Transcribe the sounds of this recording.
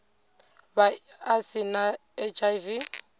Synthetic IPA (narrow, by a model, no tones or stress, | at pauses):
baasɪna | ɛt͡ʃʼajvi